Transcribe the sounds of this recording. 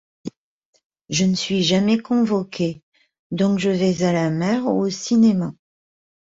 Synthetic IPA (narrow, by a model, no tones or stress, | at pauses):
ʒənəsɥiʒamɛkɔ̃vɔkʲʰe | d̪ɔ̃kʒəvɛzalamɛʁosinema